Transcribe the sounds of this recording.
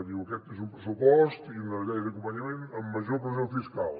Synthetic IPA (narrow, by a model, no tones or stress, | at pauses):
niukɛk̚t̪eʒũpɾɨsupɔʃt̪uiunɐɣɛjɐðɐkõmpɐɲɐmẽnt̪ɐmɐʒɔɾpɾzɐ̃w̃fiʃkalˠ